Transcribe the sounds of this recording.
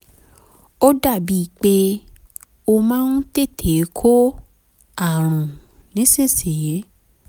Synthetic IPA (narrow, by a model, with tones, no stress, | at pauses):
o˦da˦˨bi˨˦i˦˨k͡pe˦ | o˧mãː˦nũ˦te˦˨tʰe˨˦kʰo˦ | a˨ɾ̃ũ˨ | nĩ˨˦se˦˨se˨je˨˦